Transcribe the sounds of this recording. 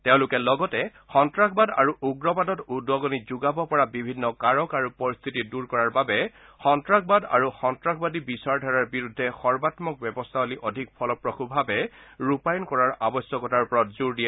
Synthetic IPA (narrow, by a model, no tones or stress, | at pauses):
tɛʊ̃lukɛlɔɡɔtɛ | xɔntɹakʰbada̰ɹuʔuɡɹɔpadɔtudwɔɡɔnizuɡabɔpɔɹabibʱinːɔkaɹɔkaɹupɔɹist̪ʰitiduɹkɔɹaɹbabɛ | xɔntɹakʰbada̰ɹuxɔntɹakʰbadibisaɹdʱaɹaɹbiɹudʱːɛxɔɹbatmɔk̚bjɛbɔst̪ʰaɦoliʔɔdʱik̚pʰɔlɔpɹɔxʰubʱabɛɹupajɔnkɔɹaɹʔabɔsjɔkɔtaɹpɔɹɔtzuɹdijɛ